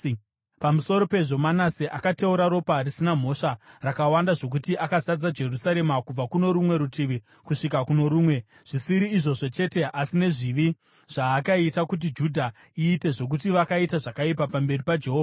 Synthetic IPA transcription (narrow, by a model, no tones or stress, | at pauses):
pamuso̞ɾo̞pe̞ʐo̞manasiʔakateuɾaɾo̞parisinam̤o̞ʂarakawandaʐo̞k̬utiʔakazad͡zad͡ʒe̞rusaɾe̞makub͡vakuno̞ɾumwe̞ɾutiʋi | kuʂikakuno̞ɾuːmwe̞ | ʐ̥isiɾiːʐo̞ʐo̞t͡ʃe̞te̞ʔasine̞ʐiʋi | ʐ̥aːkaitakut̬id͡ʒudʱa | iːte̞ʐo̞k̬utiʋakaitaʐakaipapambe̞ripad͡ʒe̞ɦoːva